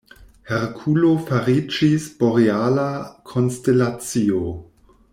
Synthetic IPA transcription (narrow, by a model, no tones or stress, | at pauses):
heɾkʰulofaɾid͡ʒisboɾealakʰonstelat͡sio